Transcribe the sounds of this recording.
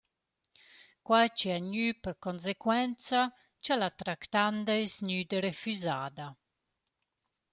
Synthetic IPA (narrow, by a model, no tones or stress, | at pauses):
kwajt͡ʃiaɲypəɾkons̬ekwɛnt͡sa | t͡ʃalat̪ɾakt̪and̪aesɲyd̪əɾefyzaːd̪a